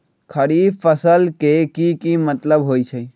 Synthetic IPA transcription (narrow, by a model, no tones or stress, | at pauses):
kʰɐɽifəsəlkekikimət̪ləbɦoːit͡ʃʰe